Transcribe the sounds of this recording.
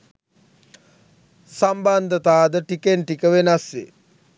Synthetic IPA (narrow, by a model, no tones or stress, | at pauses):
samband̪ʱət̪aːd̪əʈikenʈikəʋenasḛ